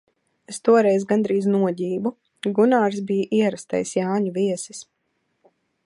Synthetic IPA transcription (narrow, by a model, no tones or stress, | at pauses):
est̪uɔɾɛjzɡand̪ɾiːznuɔɟiːbu | ɡunaːɾsbijaʔiɛɾast̪a̰jsjaːɲuviɛsi̥s